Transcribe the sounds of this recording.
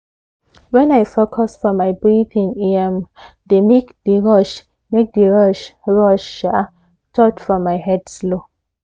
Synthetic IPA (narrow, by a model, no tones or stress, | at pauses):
wɛ̃najfokʰɔsfɔmaɪbɹiθĩniɛm | demekdəɹɔʃ | mek̚dəɹɔʃɹɔʃa | tʰɔtfɔmaɪhɛdslo